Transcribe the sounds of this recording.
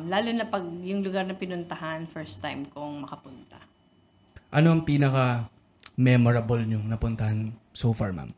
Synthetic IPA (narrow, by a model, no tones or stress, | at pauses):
mlaːlʊnɐpɐɡ̚jʊŋlʊɡaɾnɐpɪnʊnt̪ɐhanfɛɹst̪ːajmkoŋmɐkɐpʊnt̪ɐ | ʔɐnoʔɐŋpiːnɐkɐ | mɛmoɾɐbolɲʊŋnɐpʊnt̪ɐhɐn | soːfɐɹma̰m